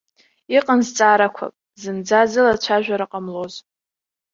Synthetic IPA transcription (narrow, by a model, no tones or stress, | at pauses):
iqʼənzt͡sʼaːɾakʷʰa̰pʼ | zɨnd͡zazɨlat͡ɕʷʰaʒᶣʷaɾɨqʼamloz